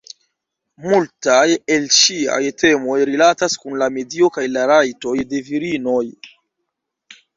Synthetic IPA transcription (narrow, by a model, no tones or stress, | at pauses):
multajelʃia̰jte̞mo̞jɾilataskunlame̞dio̞kajlaɾajto̞jde̞viɾino̞j